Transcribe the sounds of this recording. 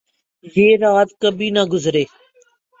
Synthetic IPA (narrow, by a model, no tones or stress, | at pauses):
jeːɾaːt̪kəbʱiːnəɡʊzɾeː